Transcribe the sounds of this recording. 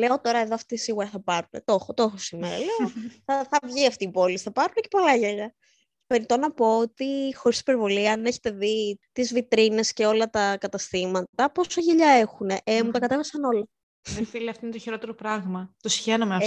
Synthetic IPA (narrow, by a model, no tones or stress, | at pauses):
le̞o̞t̪o̞ɾɐe̞ðo̞ɐft̪osiɣuɾɐθɐpɐɾunḛt̪o̞xot̪o̞xosimeɾɐ̰leoθɐθɐvʝiɐft̪iːpo̞lisθɐpɐɾunecepo̞lɐʝeʎɐ | cepe̞ɾit̪o̞nɐpo̞ot̪ixoɾist̪ipe̞ɾvo̞liɐne̞çe̥t̪e̞ðit̪izvit̪ɾine̞sce̞o̞lɐt̪ɐkɐt̪ɐst̪imɐt̪ɐpo̞sɐʝeʎɐe̞xune̞ʔemut̪ɐkɐt̪e̞vɐsɐno̞lɐ | efiliɐft̪oinet̪oçiɾo̞t̪eɾopɾɐɣmɐt̪osi̥çenɐmeɐ